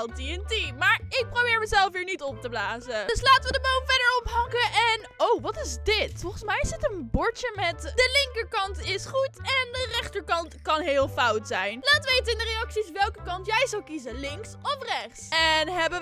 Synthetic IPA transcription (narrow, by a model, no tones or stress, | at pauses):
lˠtiɛntimaːɹɪk̚prowbɪːɹməzɛlˠfʋiːɹnitɔp̚təblaːzədɵslaːtəʋədəbownvɛdəɹɔpɦɑŋkəʔɛn | owʋɑtɪzdɪtfɔlˠχənsmɛjɪsətənbɔɹtəmɛtdəlɪŋkəɹkɑntɪsχutɛndərɛχtəɹkɑntkɑnɦɪːlˠfɑwtsɛjnlaːtʋejtəɪndərejɑksisʋɛlˠkəkɑntjɛjzɑlkizəlɪŋksɔfrɛχsɛnɦɛbə